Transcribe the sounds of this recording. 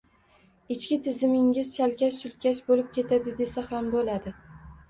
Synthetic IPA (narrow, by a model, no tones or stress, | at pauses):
ɪt͡ʃkʲɪt̪ʰɪzɪmɪŋɪz̥t͡ʃʰalkʲaʃsʊlkʲaʃbolɪp̚kʲe̞t̪ʰad̪ɪd̪e̞sahambolad̪ɪ